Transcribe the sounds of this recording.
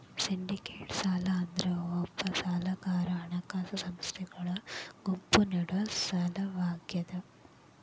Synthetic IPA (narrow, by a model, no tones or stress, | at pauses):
siɳɖikeːʈsaːlɐːnd̪ɾɐopːɐsaːlɐkaːɾaːɳɐkaːsɐsɐmst̪ʰɛɡɐɭɐɡ̥umpuneɽuʋɐsɐlɐbaːɡjɐd̪ɐ